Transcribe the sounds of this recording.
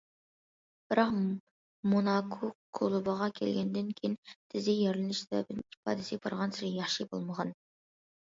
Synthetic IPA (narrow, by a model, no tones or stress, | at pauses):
b̥ɪɾɑq | monɑkʰokʰolˠʊbɑʁɑkʲʰɛ̰lɡʲɛnd̪ɪnkʲʰejint̪ʰɪzɪjeɾlɪnɪʃsbɛ̰bɪd̪ɪnipɑ̰ːd̪ɪsɪbɑ̰ɾʁɑnsɪɾijɑχʃibo̰lˠməʁɑn